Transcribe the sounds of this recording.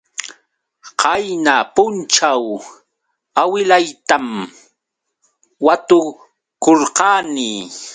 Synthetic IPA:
qɑjnapʊnt͡ʃaw | awɪlajt̪am | wat̪ʊ | koɾqɑːnɪː

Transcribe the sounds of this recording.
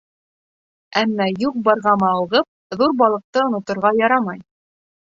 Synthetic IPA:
æmːæjuq̚bɑɾʁɑmɑːlʁɤp̚ðuɾbɑlˠɤ̆q̚t̪ɤŏnŏt̪ŏɾʁɑjɑɾɑmɑj

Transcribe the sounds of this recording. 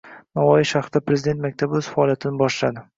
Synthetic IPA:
navɒjɪʃaχɾd̪apɾezɪd̪et̪makʲt̪ʰabɵz̥faɒlijat̪ʰɪnɪbɒʃlad̪ɪ

